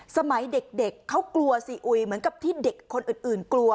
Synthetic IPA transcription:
sa˧ma˩˦jde˨˩k̚de˨˩kʰːa˦˥wklu˧ɐsi˨˩ʔu˧˩jmɯ˩˦ənka˨˩p̚t̪ʰiː˥˩de˨˩kʰːo˧nʔɯː˨˩nʔɯː˨˩nklu˧ɐ

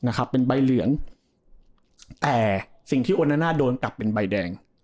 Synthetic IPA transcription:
na˦˥kʰa˦˥pːe˧nba˧jlɯ˨˩˦əŋ | t̪ɛː˨˩si˨˩ŋt̪ʰiː˥˩ʔoː˧nːaː˦˥naː˥˩doː˧nkla˨˩pːe˧nba˧jdɛː˧ŋ

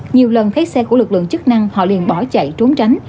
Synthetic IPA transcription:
ɲi˨˩əwlə˨˩nt̪ʰa˨˦˥jsɛ˧ku˧˩əlɨ˨˩k̚lɨ̰˧˨əŋt͡ɕɨ˦˥k̚na˧ŋhɔ̰˧˨lḭ˨˩ənɓɔ˧˩t͡ɕa̰˧˨jt͡ɕo˨˦mt͡ɕa˨˦jŋ̟

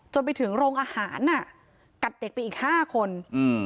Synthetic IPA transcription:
t͡ɕo˧np̬a˧jt̪ʰɯ˩˦ŋɾoː˧ŋʔaː˧haː˩˦nʔːa˥˩ | ka˨˩t̪̚de˨˩k̚pa˧jʔiː˨˩k̚haː˥˩kʰo˧nɯ˧

